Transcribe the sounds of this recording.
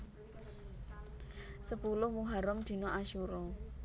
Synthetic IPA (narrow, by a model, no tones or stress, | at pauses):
səpulʊhmuɦaɾɔmd̪̥i̤noʔaʃuɾɔ